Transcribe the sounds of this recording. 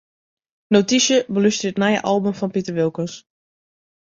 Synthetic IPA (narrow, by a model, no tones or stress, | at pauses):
nowtisjəbəlystəətnajə̰ʔɑlˠbəmfɔnpitərʋɪlˠkəns